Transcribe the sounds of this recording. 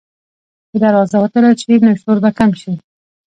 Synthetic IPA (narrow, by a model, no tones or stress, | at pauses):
bəd̪aɾɑzawat̪əlat͡ʃenaʃoɾbakamʃi